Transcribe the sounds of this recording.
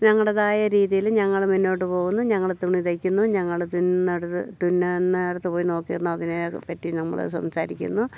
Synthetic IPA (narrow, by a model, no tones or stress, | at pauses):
ɲɐŋːɐɭɐðaːjɐɾiːðijilɲɐŋːɐɭminːo̞ːʈːɨpo̞ːɣunːuɲɐŋːɐɭt̪ːuɳːit̪ɐkʲːunːuɲɐŋːɐɭt̪unɐɽɐt̪ːɨt̪unːɐnːaɽɐt̪ːɨpoːjino̞ːkːijɐnːuɐðinɨpɐtːinɐmːɐ̰ɭ̰sɐ̰msaːɾikʲːṵnːu